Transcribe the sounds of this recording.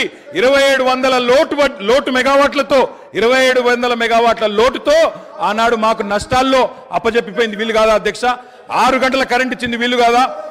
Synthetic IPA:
iɾɐʋɐje̞ːɽuʋɐnd̪ɐlɐloːʈuʋɐlo̞ːʈumɛɡaːʋaːʈlɐt̪o̞ː | iɾɐʋɐjeːɽuʋɐnd̪ɐlɐmɛɡaːʋaːʈlɐlo̞ːʈut̪o̞ːaːnaːɽumaːkunɐʂʈaːlːo̞ːɐpːɐt͡ʃepːip̬oːjind̪iʋiːluɡaːd̪aːɐd̪ʱjɐkʂa | aːɾuɡɐɳʈɐlɐkɐɾeɳʈit͡ʃːind̪iʋiːlːuɡaːd̪aː

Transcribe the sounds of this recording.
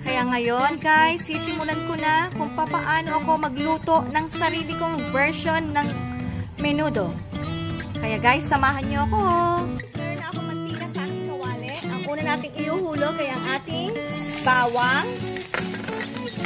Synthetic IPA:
kɐjaŋɐjo̞nkajsisɪmʊlankonɐkʊŋpɐpɐʔaːno̞ʔɐko̞mɐɡluːt̪o̞ʔnɐŋsɐɾiːlɪkoŋvɛɹʃonːɐŋmɪnuːd̪o̞ | kɐjaɡajsɐmaːɦɐnɲoʔɐko̞mɛɾonːɐɐkomɐɡ̚t̪ikɐsɐkɐwaːlɛt̪ʔɐŋʔuːnɐnaːt̪ɪŋɪhuːhuːlokɐjaʔɐŋʔaːt̪ɪŋbaːwɐŋ

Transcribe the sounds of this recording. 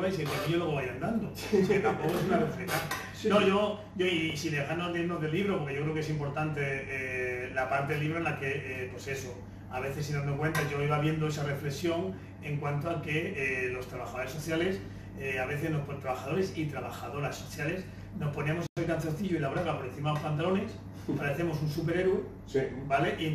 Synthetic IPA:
βejs̬iɣwaiɲoloβajand̪and̪o | sket̪ampokoes̬unarefet̪a | noʝo̞ | ɟ͡ʝoisiðe̞xanoleiɾnozðe̞lːiβɾo̞poɾke̞ʝokɾeoke̞simpo̞ɾt̪ant̪e̞elapaɾt̪eliβɾoenlake̞epwe̞se̞so | aβe̞θe̞s̬ːinanokwe̞nt̪azʝoiβaβje̞nd̪oe̞sare̞fle̞ksjo̞ŋ | e̞ŋkwant̪oake̞lo̞st̪ɾaβaxaðo̞ɾe̞so̞θjale̞s | eaβ̞e̞θe̞zno̞hpot̪ɾaβaxað̞o̞ɾe̞sit̪ɾaβaxaðo̞ɾasːo̞θjale̞s | no̞shpo̞nemoaselkanθenθiʝoilaβɾaɣapo̞ɾenθimaðlopant̪alo̞ne̞s | paɾeθe̞mo̞s̬unsup̬e̞ɾe̞ɾwe | bale̞ʔi

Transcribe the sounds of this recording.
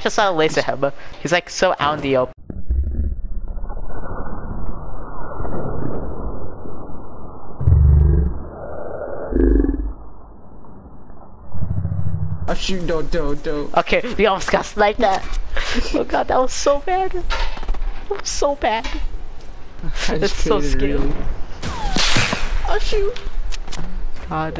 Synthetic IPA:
ʒ̥ʌstɑɾəleɪsɨhɛ̰bəhizlaɪksoʊʔã̰ʊ̃ndiop | ʌʃudoʊdoʊdoʔokʰewiɔlˠwɪsɡɑslaɪk̚ðæt̚oʊɡɑd̪̚ðæt̚wʌz̥soʊbæd | æt̚wʌz̥soʊbæd̥̚ | ɪtsoʊskɪlˠ | ʌʃʉ | ɡ̥ɑd

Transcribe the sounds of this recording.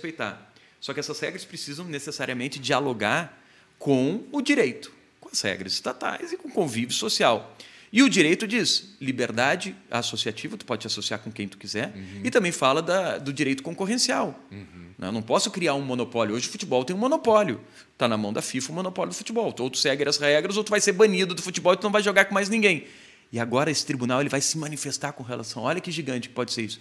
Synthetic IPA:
espejt̪a̰ɾ | sɔkɪɛsɐshɛɡɾɐspɾesizɐ̃w̃nesesaɾiɐmẽnt͡ʃɪd͡ʒialoɡaɾ | kʰõʊd͡ʒiɾejt̪ʊ̥ | kõɐshɛ̰ɡɾɐzɪst̪at̪a̰jzɪkõkõvivjʊsosiawɪʊd͡ʒiɾejt̪ʊd͡ʒislibeɾd̪ad͡ʒɪa̰sosiat͡ʃivɐt̪u̥pɔd͡ʒɪt͡ʃɪasosiaɾkõkẽj̃t̪u̥kizɛɾɪt̪ɐ̃mbẽj̃falɐd̪ɐd̪ʊd͡ʒiɾejt̪ʊ̥kõkoʁẽsiawnɛ̰nɐ̃w̃pɔsʊkɾiaɾũmõnopɔljʊoʒɪʊfut͡ʃibɔwˠt̪ẽj̃monopɔljʊ̰ | t̪anɐmɐ̃w̃d̪ɐfifɐʊmõnopɔljʊd̪ʊfu̥t͡ʃibɔwt̪owt̪u̥sɛɡeɾɐshɛɡɾɐzowt̪uvajseɾbɐ̃ɲid̪ʊd̪ʊfut͡ʃibɔwɪt̪unɐ̃w̃vajʒoɡaɾkõmajznĩɡẽj̃ | ɪaɡɔɾɐesɪ̥t̪ɾibunawelɪvajsɪmɐ̃nifest̪aɾkõɦelʔa̰sɐ̃w̃ɔʎʲɐkɪʒiɡɐ̃nt͡ʃɪkɪ̥pɔd͡ʒɪseɾisʊ̥

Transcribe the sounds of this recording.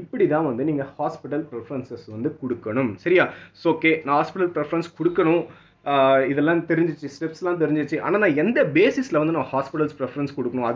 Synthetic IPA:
ɪpːɐɽit̪ãːʋɐnd̪ɯniːŋɡɐhaːspɪʈɐlpɪɾɛfɐɾɐnsɐsʋɐnd̪ɯkɔɽɯkːɐɳɯmsɐɾɪjaːsoːkːeːnãːhaːspɪʈɐlpɾɛfɐɾɐnskɔɽɯkːɐɳʊ̃ | ɪðɛlːãːt̪ɛɾɪɲd͡ʒɪt͡ʃːɯsʈɛpsɛlːãːt̪̬ɛɾɪɲd͡ʒɯt͡ʃːɯʔa̰ːnaːnãːɛnd̪ɐbeːsɪslɐʋɐnd̪ɯnãːɐhaːspɪʈɐlspɾɛfɐɾɐnskɔɽɯkːɐɳʊ̃ɐ

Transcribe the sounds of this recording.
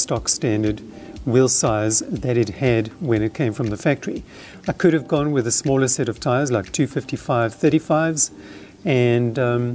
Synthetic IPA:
stɑkstæ̃ndə˞d̚ | wɪlˠsaɪzðɨɾɨd̚ɨd̚wɨ̃nɨt̚kʰẽɪ̃ɱfɹʌ̃mðɨfæk̚tʰə˞i | aɪkʰɨɾɨvɡɔ̃nwɨðɨsmɔlˠə˞sɛɾʌv̥tʰaɪəzlaɪk̚tʰʉfɪftifaɪv̥θɜ˞ɾifaɪvz̥ | ɨ̃n

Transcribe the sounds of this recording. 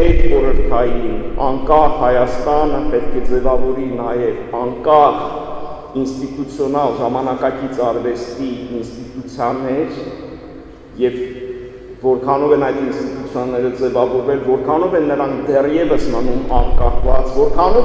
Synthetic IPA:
ɛt̪ɔɾəɾkʰɑjinɑ̰ŋkɑχhɑjɑst̪ɑnəpɛt̪kʰɛd͡zɛvɑvɔɾinɑjɛvɑŋkɑχ | inst̪it̪ut͡sʰjɔnɑlʒɑmɑnɑkɑkit͡sʰɑɾvɛst̪iːnst̪it̪ut͡sʰjɑnɛɾ | jɛvː | ɔɾkʰɑnɔvɛnɑjt̪inst̪it̪ut͡sʰjɔnːɛɾəd͡zɛvɑvɔɾvɛlvɔɾkʰɑnɔvɛnːəɾɑŋkʰd̪ɛrjɛvəsmənumɑŋkɑχʰvɑt͡svɔɾkʰɑnɔ

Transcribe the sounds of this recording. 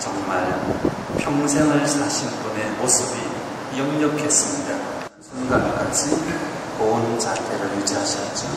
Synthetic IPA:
t͡ɕʌŋmaɭ | pʰjʌŋs̬ʰeŋɦaɭsʰaɕʰinpʌneʌsʰɯbi | jʌŋɲʌkʰes͈ɯmɲida | sʰunɡank͈ad͡ʑi | kont͡ɕatʰeɾɯɭjud͡ʑiɦaɕʌt̚t͡ɕ͈o

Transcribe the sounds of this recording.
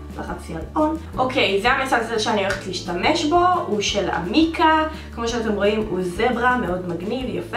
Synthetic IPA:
laχat͡sjalonʔo̞kʰe̞jzeamesazeʃeanioleetliːʃtame̞ʃbo̞uʃela̰mika | kmoʃeate̞mʁo̞imuzebʁameo̞dmaɡnivjafe

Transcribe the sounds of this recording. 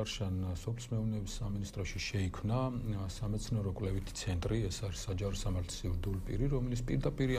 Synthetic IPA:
aɾʃansɔpʰli̥smɛuvnɛbisaminist̪ʼɾɔʃiʃɛikʰmnasamɛt̪sʰnɛɾɔkʼwlɛvit̪ʰi̥t̪sʰɛnt̪ʼɾiɛsaɾisːad͡ʒaɾɔsamaɾt̪ʰsivɾd̪ulipʼḭɾiɾɔmɛlit̪sʰpʼiɾd̪apʼiɾi

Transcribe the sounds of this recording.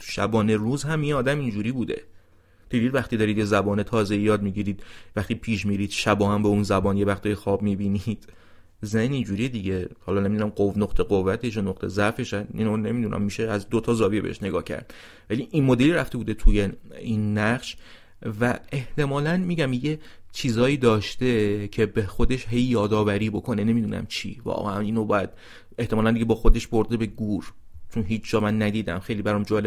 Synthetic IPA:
t̪ʰu̥ʃæ̰bɒːne̞ɾuːzhæminɒːd̪æmind͡ʒuːɾiːbuːd̪e̞̰ | d̪̥id̪iːd̪væxt̪iːd̪ɒːɾid̪jezæbɒːnet̪ʰɒːzeijɒːd̪miːɟiːɾiːd̪̥væxt̪iːpʰiːʃmiːɾiːd̪̥ʃæbɒːhæmbeunzæbɒːnjevæxt̪ɒːjexɒːbmibiːnid̪̥ | zenind͡ʒuːɾijed̪iːɟe̞hɒːlɒːne̞mid̪unæmɢovnoχt̪ʰe̞ɢovːæt̪ʰeʃ̬onoqt̪ʰe̞zæɾfe̞ʃæḭnone̞mid̪unʔæ̰mːiːʃeæzd̪ot̪ʰɒːzɒːbibḛḛʃne̞ɡɒːhcʰæ̰ɾd̪̥ | væliʔinmod̪eliɾæft̪e̞buːd̪et̪ʰujeinːæχʃ | væeht̪e̞mɒːlænmiːɟæmjet͡ʃʰiːzɒːiːd̪ɒːʃt̪e̞cʰe̞bexo̞d̪e̞ʃɦe̞jːɒːd̪ɒːvæɾiːbo̞kʰone̞ne̞mid̪uːnæ̰mt͡ʃʰḭːvɒ̰ːɣæʔæniːnobɒ̰ːjæd̪̥̚ | e̞ht̪emɒːlænd̪iɟe̞bɒːxo̞d̪e̞ʃboɾd̪e̞be̞ɡuɾt͡ʃʰonɦiːt͡ʃʰd͡ʒɒːmænːæd̪iːd̪æ̰mxejliːbæɾɔmd͡ʒɒːle

